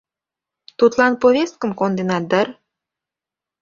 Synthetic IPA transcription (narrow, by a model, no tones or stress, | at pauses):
t̪ut̪lˠɑnpovʲest̪̚kə̆mkond̪enɑd̪ə̆r